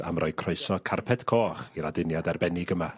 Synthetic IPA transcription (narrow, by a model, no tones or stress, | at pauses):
a̰mrɔɨkʰrɔɨsɔkʰarpʰɛd̥kʰoːχiɾadɪnjadɛrbɛnɪɡəma